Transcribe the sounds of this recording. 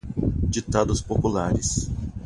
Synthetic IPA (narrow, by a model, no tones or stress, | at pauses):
d͡ʒit̪ad̪ʊspopulaɾɪs